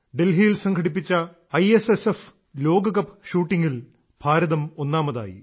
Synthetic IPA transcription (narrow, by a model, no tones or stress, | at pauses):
ɖe̞lɦijilsɐŋɡʰʱɐɽip̬ːit͡ɕːɐ | ɐjesesef | lo̞ːɡɐkɐpːɕuːʈːiŋɡil | b̥ʱaːɾɐðɐmo̞nːaːmɐða̰ːjḭ